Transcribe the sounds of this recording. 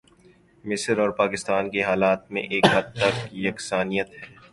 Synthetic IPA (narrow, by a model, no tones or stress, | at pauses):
mɪsəɾɔːɾpaːkɪst̪aːnkeɦaːlaːt̪̚mḛ̃ʔeːkɦɐd̪̚t̪ɐkjɐksaːnijət̪hɛː